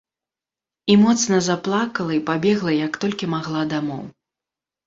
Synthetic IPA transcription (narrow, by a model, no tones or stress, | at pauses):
imɔt̪snɐzaplˠakɐlˠɐipabʲɛɣlˠɐjɐkt̪ɔlʲkʲimaɣlˠad̪amɔ̰w